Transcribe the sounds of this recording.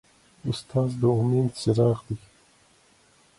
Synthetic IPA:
ʊst̪ʰɑːzd̪əumend̪seɾɑːɣd̪i

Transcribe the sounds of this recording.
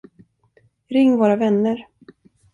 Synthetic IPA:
ɾɪŋːvoːɾavɛnːəɾ

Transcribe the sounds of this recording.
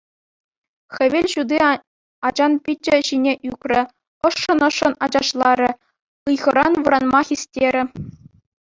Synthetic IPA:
xʲɘ̆ʋʲelʲɕud̪i | ɑd͡ʑɑnpʲit͡ɕːɘ̆ɕinʲeʔykʲrʲɘ̆ | ɤ̆ʂːɤ̆nɤ̆ʂːɤ̆nɑd͡ʑɑʂlˠɑɾʲɘ̆ | ɯjʁɤ̆ɾɑnʋɯɾɑnmɑxʲisʲtʲeɾʲɘ̆

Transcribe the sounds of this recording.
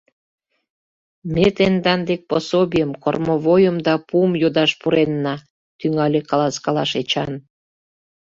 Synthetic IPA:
mʲet̪end̪ɑnd̪ek̚posobʲijəmko̰rmoβojəmd̪ɑpumjod̪ɑʃpuɾenːɑ | t̪yŋɑlʲekɑlɑskɑlɑʃet͡ɕɑn

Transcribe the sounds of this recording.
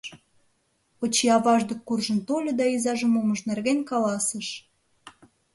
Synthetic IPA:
ot͡ɕiɑβɑʒd̪ə̆kːurʒə̆nt̪olʲɤ̆d̪ɑizɑʒə̆moməʃnerɣenʲkɑlɑsəʃ

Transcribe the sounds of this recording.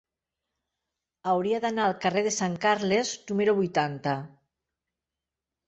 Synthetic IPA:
awɾiaðanaːlkareðesaŋkaɾleznumeɾoβujt̪ant̪a

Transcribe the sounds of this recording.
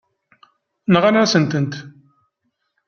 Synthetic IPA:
nʁanɾæsənt̪ənt̪

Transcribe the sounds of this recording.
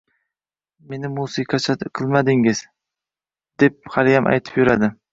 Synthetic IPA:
me̞nɪmusɪqʰɑt͡ʃʰaqʰɨlˠmad̪ɪŋɪz | d̪̥e̞p̚halɪjamʔa̰jt̪ʰɪ̥pjʊɾad̪ɪ

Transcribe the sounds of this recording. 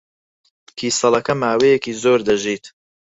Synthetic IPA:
kʰiːsɐlˠɐkɐmaːwejɛkiːzoːɾd̪ɐʒiːt̪

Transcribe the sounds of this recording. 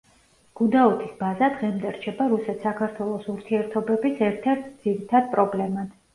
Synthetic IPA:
ɡ̥ud̪aɔt̪ʰisbazad̪ʁɛmd̪ɛɾt͡ʃʰɛbaɾusɛt̪ʰsakʰaɾt̪ʰwɛlˠɔsuɾt̪ʰiɛɾt̪ʰɔbɛbisɛɾt̪ʰɛɾt̪̚ʰd̪z̥iɾit̪ʰad̪̚pʼɾɔblɛmad̪̥

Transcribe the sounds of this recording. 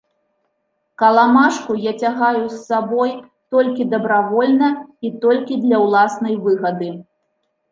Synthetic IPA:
kɐlˠamaʂkujat͡sʲaɣajusːabɔj | t̪ɔlʲkʲid̪ɐbɾavɔlʲnɐit̪ɔlʲkʲid̪lʲɐwlˠasnɐjvɨɣɐd̪ɨ

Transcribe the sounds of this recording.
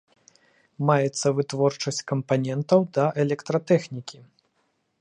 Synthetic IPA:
majɛt̪sːɐvɨt̪vɔrt͡ʂɐsʲt͡sʲkɐmpanʲɛnt̪ɐwd̪ɐʔɛlʲɛkt̪ɾɐt̪ɛxnʲikʲi

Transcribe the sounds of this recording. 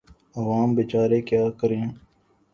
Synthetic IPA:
əʋaːmbɪt͡ʃaːɾeːkjaːkəɾẽː

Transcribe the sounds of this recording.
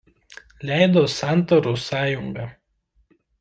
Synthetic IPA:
lʲæˑɪd̪oːsɑˑnt̪ɐɾuːsɑːjʊŋɡɑ

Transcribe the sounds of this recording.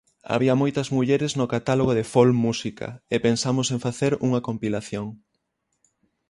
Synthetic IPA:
a̰βiɐmojt̪ɐzmuʎeɾɪznokat̪aloɣoðefolmusikʰɐ̰epensamʊsẽŋfaθeɾuŋɐkompilaθjoŋ

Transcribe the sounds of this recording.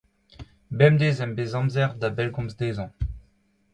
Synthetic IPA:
bɛmd̪ezɛ̃mbezɑ̃mzɛʁd̪abɛlɡɔ̃mzd̪eːzɑ̃

